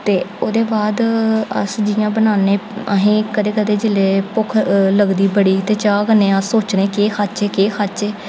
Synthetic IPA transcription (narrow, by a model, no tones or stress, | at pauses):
t̪eːoːd̪eːbaːd̪ə̰sd͡ʒɪjãːbənaːneːəɦẽːkəd̪eːkəd̪eːd͡ʒɪleːpʊkʰləɡd̪iːbəɽiːt̪eːt͡ʃaːɡənẽːəsːoːt͡ʃneːkeːkʰat͡ʃeːkeːkʰat͡ʃeː